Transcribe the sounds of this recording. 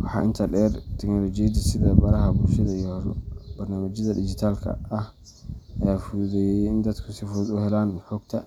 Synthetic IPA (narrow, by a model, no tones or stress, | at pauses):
wɑħɑ̰ʔɪnt̪ʰɐɗɛːrt̪ʰɛɡnɔlɔd͡ʒɛjd̪ɐsɪðɐbɐɾɐɦɐbulʃɐðɐjɔɾbɐrnaːmɐd͡ʒɐðɐdɪd͡ʒɪt̪ʰaːlkʰɐ̰ɐh | ʔɐjaːfuðɛjɛɪnd̪ɐd̪kʰʊsɪfɔd̪uhɛlaːnħɔːɡt̪ʰɐ